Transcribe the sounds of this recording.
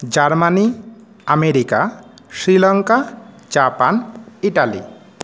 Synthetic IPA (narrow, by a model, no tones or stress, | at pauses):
d͡ʑaɾmani | ameɾika | ʃɾilaŋka | d͡ʑapaniʈalḭ